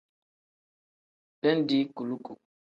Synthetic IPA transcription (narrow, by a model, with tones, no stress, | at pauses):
pɛ˦n˦di˦ku˨lu˦kṵ˨